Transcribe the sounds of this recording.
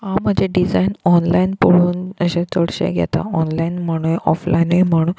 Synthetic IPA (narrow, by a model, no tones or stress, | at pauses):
ɦãm̤əd͡ʑʱeɖid͡zainɔnlainpoɽuːnəɕẽt͡soɽɕḛɡʱɛ̰t̪a̰ɔnlainm̤əɽ̃ũeʔɔflainem̤əɽ̃uːn